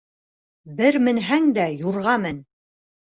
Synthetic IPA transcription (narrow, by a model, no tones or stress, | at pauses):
bɘɾmɘ̆nɦæŋd̪æjuɾʁɑmɘn